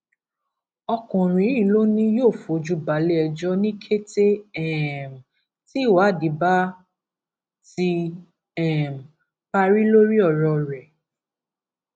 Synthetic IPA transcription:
ɔ˧kɔ̃˨ɾ̃ĩ˨˦ĩ˦˨lo˦nĩ˧joː˦˨fo˨˦d͡ʒu˦ba˨˦le˦ɛ˧d͡ʒɔ˦nĩ˦kʰe˦te˦ɛ˦˨m˨ | ti˦˨wa˨˦˨di˨˦ba˦ | ti˧ | ɛ˦˨m | pa˧ɾi˦lo˦ɾi˦ɔ˦˨ɾɔ˧ɾɛ˨

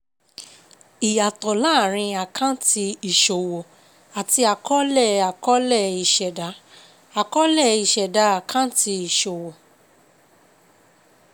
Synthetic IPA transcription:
i˨ja˨tɔ˨la˦˨ɾ̃ĩ˧a˨kʰã˦ti˧i˨ʃo˨wo˨ | a˨ti˧a˨kɔ˦lɛ˦˨a˨kɔ˦lɛ˦˨i˨ʃɛ˨da˨˦ | a˨kɔ˦lɛ˦˨i˨ʃɛ˨da˨˦a˨kʰã˦ti˧i˨ʃo˨wo˨

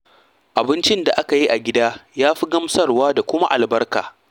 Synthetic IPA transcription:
ʔa˨bɪ˦nt͡ʃɪ˦nda˨ʔa˦ka˨ji˦ʔa˨ɡʲɪ˦daː˦jaː˦ɸi˦ɡɐ˦msɐ˦rwaː˦da˨kʷʊ˦ma˦ʔa˨lbɐ˦rka̰ː˨

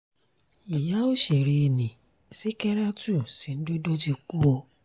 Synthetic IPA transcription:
i˨ja˨˦o˦ʃe˨ɾi˧e˧nĩ˨ | si˦kɛ˦ɾa˦tu˦˨si˨n̩˦do˦dɔ˦d͡ʒi˧ku˦ɔ˧

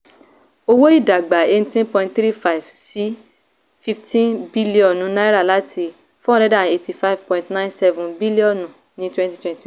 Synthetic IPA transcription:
o˧wo˦i˦˨da˨ɡ͡ba˨e˦˧n̩˦tĩ˦npɔ̃˧ĩntθɾi˦fa˦i˨vsi˨˦ | fi˦ftĩ˦nbi˦li˦ɔ̃˦˨nũ˨˦na˦i˦ɾa˦˨la˦tʰi˧ | fũ˦˨ɾɛ˦da˦˨e˧ti˧fa˦vpɔ̃˨ĩntnã˦nsɛ˧vũ˨bi˦li˦ɔ̃˦˨nũ˨ | nĩ˦twɛ̃˦nti˦twɛ̃˦nti˨

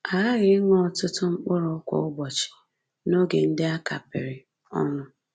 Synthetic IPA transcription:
a˨a˦ɣɪ˨˦ɪ˦ŋɔ˦˨tʊ˦tʊ˦ŋ͡m̩˦k͡pʊ˦ɾʊ˨˦kʷɔ̰˨ʊ˦ɡ͡bɔ˨t͡ʃɪ̥˨ | no˦ɡe˨n̩˦dɪ˦a˦ka˨pɪ̰˨ɾɪ˨ | ɔ̰˦nʊ˦

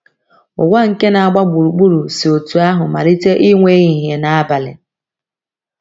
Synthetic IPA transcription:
ʊ˨ɡʷa˦ŋ̩˨ke˦na˨a˦˨ɡ͡ba˦ɡ͡bu˨ɾu˨k͡pu˦ɾu˨si˨o˨tu˨a˦ɦʊ˨ma˨ɾi˦te˦ʔi˦ŋʷe˦ɣi˨ɦe˨na˨a˦ba˨lɪ̰˨

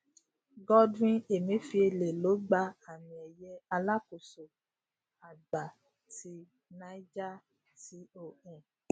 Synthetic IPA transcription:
ɡɔ˦dɾĩ˧e˨mĩ˨˦fi˧e˧le˨lo˨˦ɡ͡ba˧a˨mĩ˨ɛ˨jɛ˧a˧la˦ko˨so˨ | a˨ɡ͡ba˨ | ti˧˦ | nã˧˦d͡ʒa˦ | ti˨˦o˨ɛ̃˨

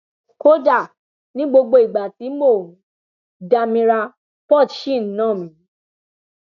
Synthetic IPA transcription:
ko˦da˦˨ | nĩ˦ɡ͡bo˧ɡ͡bo˧i˨ɡ͡ba˨ti˨˦mõ˦˨˦ | da˨mĩ˧ɾa˧ | pɔ˦˨tʃi˦˨n̩˦nãː˦˨mĩ˨˦

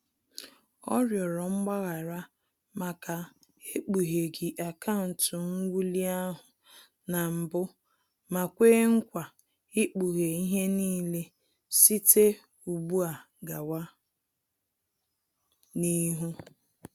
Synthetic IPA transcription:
ɔ̰˦ɾjɔ˨ɾɔ˨ŋ͡m̩˦ɡ͡ba˦ɣa˨ɾa˦ | ma˨ka˨ | e˦k͡pu˨ɦe˨ɡɪ˨ʔa˨ka˦ʊ˨n̩˨tʊ˨ŋ̩˦wu˦li˦a˦ɦʊ˨ | na˨m̩˨bʊ˦ | ma˨kʷeː˦ŋ̩˦kʷa˨ | ɪ˦k͡pu˨ɦe˨i˦ɦe˦niː˦le˦ | si˦te˦ | u˨bu˦a˨ | ɡa˨wa˦ | ni˦ɦu˦

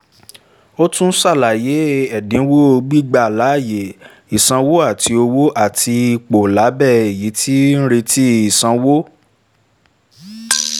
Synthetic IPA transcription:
o˦tũ˦n̩˦sa˦˨la˨je˨˦ɛ˦˨dĩ˨˦wo˦o˧ɡ͡bi˦ɡ͡ba˦˨la˨˦˨je˨ | i˨sã˧wo˦a˦˨ti˧o˧wo˦ʔa˦˨ti˧i˧k͡po˨la˨˦bɛ˦˨e˨ji˨˦ti˦n̩˦ɾe˧tʰi˦i˨sã˧wo˦

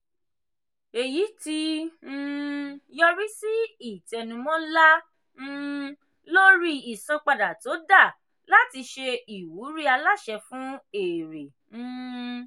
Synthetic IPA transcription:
e˨ji˨˦ti˧˦˧ | jɔ˧ɾi˦si˦i˦˨tɛ˨nũ˧mɔ̃˦la˦ | n̩˦ | lo˦ɾi˦i˨sã˧k͡pa˧da˨to˨˦da˦˨ | la˦ti˧ʃe˧i˨wu˨˦ɾi˦a˧la˦˨ʃɛ˧fũ˨˦e˨ɾẽ˨˧

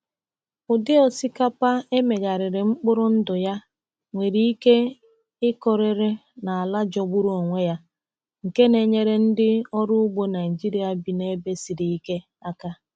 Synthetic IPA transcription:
ʊ˨dɪ˦ɔ˨si˦ka˦pa˦e˦me˨ɡa˨ɾɪ˨ɾɪ˨ŋ͡m̩˦k͡pʊ˦ɾʊ˦n̩˦dʊ˨ja˦ | ŋʷe˨ɾi˦i˦ke˦ | ɪ˦kɔ˨ɾɪ˨ɾɪ˦ | na˨a˨la˦d͡ʒɔ˨ɡ͡bu˦ɾu˦o˨ŋʷe˦ja˦ | ŋ̩˨ke˦ne˨ɲe˦ɾe˦n̩˦dɪ˦ɔ˦ɾʊ˦ʊ˦ɡ͡bo˦na˨i˨d͡ʒi˦ɾi˦a˨bi˨ne˦be˦si˨ɾi˨i˦ke˦ | a˦ka˦

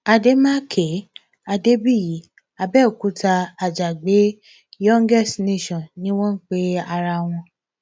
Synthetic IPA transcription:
a˧de˦mã˦kʰe˨˦ | a˧de˦bi˦˨ji˨˦ | a˧bɛ˦˨ku˨˦ta˧a˨d͡ʒa˨ɡ͡be˨˦ | jɔ̃˦ŋɡɛ˦˨stne˦˨ʃɔ̃˨nnĩ˦w̃ɔ̃˦n̩˦k͡pe˦a˧ɾa˧w̃ɔ̃˧

